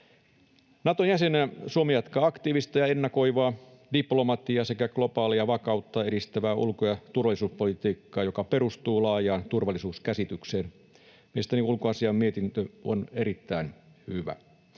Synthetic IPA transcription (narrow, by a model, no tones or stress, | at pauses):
nɑt̪onjæsensuomejɑt̪kɑːɑkt̪iːʋist̪ɑjɑenːɑko̞iʋɑː | diplo̞mɑt̪iɑse̞kæɡ̥lo̞pɑːliɑʋɑkɑut̪ːɑe̞ɾist̪æʋæːʔṵlkojɑt̪urʋɑlisuːspolit̪iːkːɑːjo̞kɑpeɾust̪uːlɑːjɑːnt̪urʋɑlːˑisuːskæsit̪ykseːn | meist̪æniulkoɑsiɑmmiet̪int̪øo̰neɾit̪ːæin | hyʋæ̰